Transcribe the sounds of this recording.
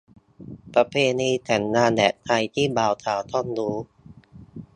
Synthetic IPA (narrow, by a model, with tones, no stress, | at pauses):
pɾa˧pʰeː˧niː˧t̪ʰɛ˩˦nːaː˧ndɛ̰˨˩t̪̚t̪ʰa˧jt̪ʰiː˥˩baː˨˩wt̪ʰaː˨˩˦wt̪ʰɔ˥˩nduː˦˥